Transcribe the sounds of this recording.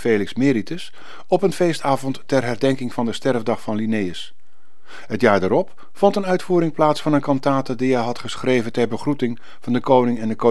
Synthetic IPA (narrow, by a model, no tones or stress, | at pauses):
fejlɪksmɪːɾitəs | ɔpənvejstaːvɔntːɛɹɦɛrdɛŋkɪŋvɑndəstɛɹvdɑχfɑnlinejəs | ɦətjaːɹdaɾɔp | fɔntənœɥtfuːɾɪŋplaːtsfɑnənkɑntaːtədijɛjɦɑtχəsχrejvəntɛɹbəχrutɪŋ | v̥ɑndəkownɪŋɛndəko